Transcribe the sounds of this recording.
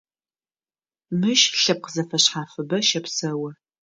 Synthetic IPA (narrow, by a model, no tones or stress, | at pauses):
mɨʃɬɐp̚qəzɐfɐɕħaːfɨbɐʃɐpsɐwɐ